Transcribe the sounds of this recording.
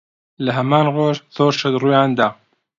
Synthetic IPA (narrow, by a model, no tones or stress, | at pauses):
ləɦɛmaːnroːʒθoːɾʃɐd̪ruːjaːnd̪a